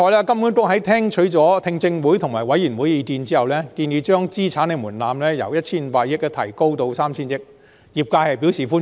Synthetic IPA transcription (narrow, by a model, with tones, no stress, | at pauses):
ɔː˧jlaː˥kɐ˥mjuː˨˥nt̪ʊ˥k̚hɐ˨˥jt̪ʰɛː˥ŋt͡ʃʰɵ˨˥ɥt͡sɔː˨˥t̪ʰɪ˧ŋt͡sɪ˧ŋwu˨˥jt̪ʰʊ˨˩ŋmaː˨˩jwɐ˨˥jyː˨˩nwu˨˥jiː˨˧k̪iː˧nt͡siː˥hɐ˨wlɛː˥t̪iː˧njiː˨˧t͡ʃœː˥ŋt͡siː˥t͡sʰaː˨˥ne˧muː˨˩nlaː˨˧mlɛː˥jɐ̰˨˩wjɐ˥t̚t͡sʰiː˥n̩˨˧˥paː˧t̚jɪ˥k̚ːɛ˧t̪ʰɐ˨˩jko˥wt̪o˧wsaː˥mt͡ɕʰiː˥njɪ˥k̚ | jiː˨˩p̚kaː˧hɐ˨jpi˨˥wsiː˨˩fuː˥n